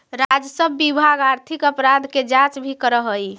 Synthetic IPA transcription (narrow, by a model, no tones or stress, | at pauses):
ɾad͡ʒəsəbːibʱaɡaɾt̪ʰikəpɾad̪ʱked͡ʒãt͡ʃbʱikəɾəɦəj